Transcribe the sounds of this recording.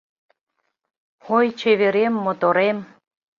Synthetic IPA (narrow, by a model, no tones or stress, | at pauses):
ojt͡ɕeβeɾemːot̪oɾem